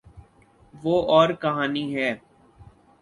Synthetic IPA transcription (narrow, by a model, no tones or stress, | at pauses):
ʋoːʔɔːɾkɐɦaːniɦɛː